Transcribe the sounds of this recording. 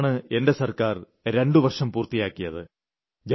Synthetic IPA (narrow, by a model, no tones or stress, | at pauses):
ɳɨe̞nde̞sɐrkaːr | ɾe̞ɳɖɨʋɐrʂɐmpuːrt̪ijaːkːijɐðɨ | d͡ʑ